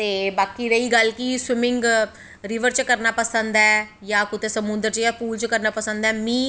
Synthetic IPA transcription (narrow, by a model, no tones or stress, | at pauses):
t̪eːbaːkiːɾəiːɡəlkiːswɪmɪ̃ŋɡ | ɾɪʋəɾt͡ʃkəɾnaːpəsənd̪ɛːjãːkʊt̪eːsəmʊ̃nd̪əɾt͡ʃjapuːlt͡ʃkəɾnaːpəsə̃nd̪ɛːmĩː